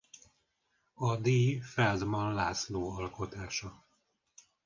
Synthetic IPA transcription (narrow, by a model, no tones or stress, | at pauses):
ɒd̪iːfɛld̪mɒnlaːsloːɒlko̞t̪aːʃɒ